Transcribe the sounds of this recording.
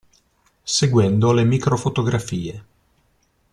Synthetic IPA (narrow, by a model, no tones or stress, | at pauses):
seɡwɛnd̪olemikɾofot̪oɡɾafiːe